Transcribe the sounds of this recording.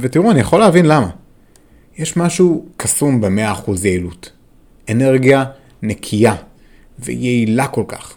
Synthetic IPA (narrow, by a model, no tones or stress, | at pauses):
vetiʁuanijaχo̞leavinlama | jeʃmaʃukʰasumbemeaːχuzjeilut | ene̞ʁɡija | nekʰija | vḛjeilako̞lka̰χ